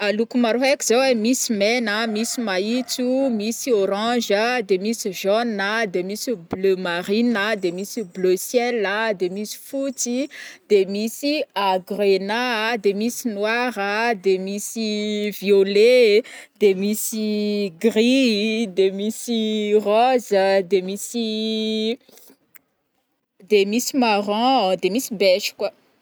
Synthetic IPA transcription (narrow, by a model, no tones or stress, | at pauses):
alukumaɾuɦɛkiz̥awemisimenəmisimaitumisioɾɑ̃ʒəd̪emisiʒɔnəd̪emisiblømaɾinəd̪emisibløsjɛləd̪emisi̥futid̪̥emisiaɡrenad̪emisinwaʁəd̪emisivjole | d̪̥emisiɡʁid̪emisiʁɔzəd̪emisi | d̪emisimaʁɔ̃d̪emisibɛʃi̥kwa